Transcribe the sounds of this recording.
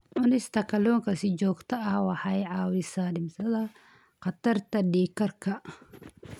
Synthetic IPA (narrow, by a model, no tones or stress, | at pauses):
ʕʊnɪst̪ʰɐkʰɐlɔːŋkɐsɪd͡ʒɔːɡt̪ʰɐɐhwɑħɑjʕɑːwɪsaːɗɪmsɐðɐ | qɑt̪ɐrt̪ɐɖiːkɐrkʰɐ